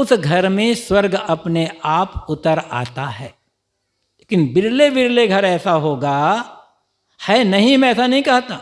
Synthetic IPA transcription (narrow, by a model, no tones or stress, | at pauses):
ʊsɡʱɐɾmẽswɐɾɡɐpneʔaːpʊt̪əɾa̰ːt̪aɦɛː | leːkɪnbɪɾlebɪɾleɡʱɐɾɛːsaɦoːɡa | hɛːnɐɦĩmɛ̃ɛːsanɐɦĩkɐɦt̪aː